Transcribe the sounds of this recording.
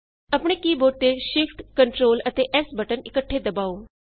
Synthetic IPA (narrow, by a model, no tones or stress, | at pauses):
ɐpɽ̃ekiːbʱoːʈt̪eʃɪfʈkəɳʈɾoːlət̪eʔɛːsbʱəʈənɪkəʈʰːed̪ɐbaːoː